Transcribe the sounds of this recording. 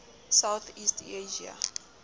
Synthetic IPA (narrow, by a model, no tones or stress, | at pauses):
sawθiːstʰeʒia̰